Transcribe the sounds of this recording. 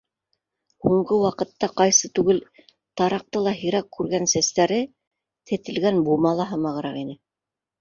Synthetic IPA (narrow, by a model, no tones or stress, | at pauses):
huɴɢɤwɑqɤ̆t̪ːɑqɑjsɤt̪ʉɡɘl | t̪ɑɾɑq̚t̪ɤlˠɑɦĭɾækːʉɾɡænsæst̪æɾɘ | t̪ʰɘ̆t̪ɘ̆lɡænbumɑlˠɑɦɤmɑʁɤ̆ɾɑqinɘ